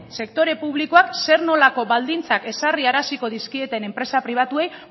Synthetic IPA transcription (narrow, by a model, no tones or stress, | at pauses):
se̞kt̪o̞ɾe̞puβ̞liko̞akse̞ɾno̞lako̞βald̪int͡sake̞sariaɾasiko̞ðiskie̞t̪e̞ne̞mpɾe̞sapɾiβ̞at̪ue̞j